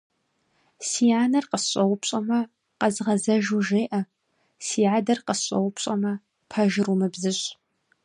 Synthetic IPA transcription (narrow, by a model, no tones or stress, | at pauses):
siːaːnɐrqəsɕʷʼɐwʊpɕʼɐmɐ | qɐzʁɐzɐʒuʒeːʔɐ | siːadɐrqəsɕʼɐ̰wʊpɕʼɐmɐ | pʰɐʒɪrumɨbzɨɕʼ